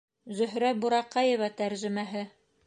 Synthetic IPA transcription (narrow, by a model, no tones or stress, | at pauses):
zɵ̆ɦɾæbuɾɑqɑjɤvɑt̪æɾʒɘ̆mæɦɘ